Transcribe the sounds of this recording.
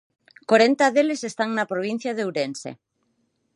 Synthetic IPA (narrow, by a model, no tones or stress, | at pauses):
koɾent̪aðelesest̪aŋnapɾoβ̞in̟θjaðewɾensḛ